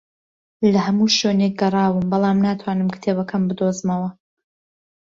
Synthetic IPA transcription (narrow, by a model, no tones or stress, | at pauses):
lɐhɐmuːʃoːnek̚ɡɐrˤɑːwɨmbɑlˠaːmnaːt̪ʰwaːnɨmkt̪ʰebɐkʰɐmbɨd̪ozmɐwɐ